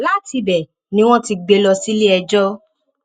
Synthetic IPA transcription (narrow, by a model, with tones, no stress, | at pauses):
la˦ti˧bɛ˨ | nĩ˦w̃ɔ̃˦ti˧ɡ͡be˧lɔ˧si˦li˦ɛ˧d͡ʒɔ˦